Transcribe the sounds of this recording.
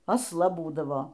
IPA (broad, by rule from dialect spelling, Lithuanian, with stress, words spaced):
ɐsˈlˠɐ ˈbuːdɐʋoː